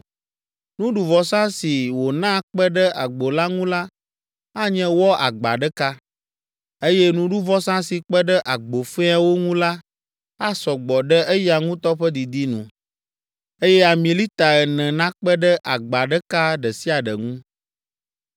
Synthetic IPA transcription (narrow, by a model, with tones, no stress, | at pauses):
nũ˦ɖu˨vɔ˨sã˦si˨wo˨nã˦k͡pɛ˦ɖə˦ʔa˨ɡ͡bo˨la˦ŋũ˦la˦ | a˦ɲɛ̃˦wɔ˦a˨ɡ͡ba̰˨ɖɛ˦ka˦ | e˦jɛ˦nũ˦ɖu˦vɔ˦sã˦si˨k͡pɛ˦ɖə˦ʔa˨ɡ͡bo˨fe˦a˦wo˦ŋũ˦la˦ | a˦sɔ˨ɡ͡bɔ˨ɖɛ˦e˦ja˨ŋũ˦t̪ɔ˦ɸɛ˦d̪i˨d̪i˦nṵ̃˨ | e˦jɛ˦a˨mĩ˨li˦t̪a˨ɛ˨nɛ̃˨nã˦k͡pɛ˦ɖə˦ʔa˨ɡ͡ba˨ɖə˦ka˦ɖɛ˨si˦a˨ɖə̰˨ŋũ˦